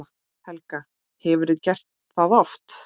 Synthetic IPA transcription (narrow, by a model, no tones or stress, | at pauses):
hɛlka | hɛvʏɾɪðcɛr̥t̪ | θaðɔft̪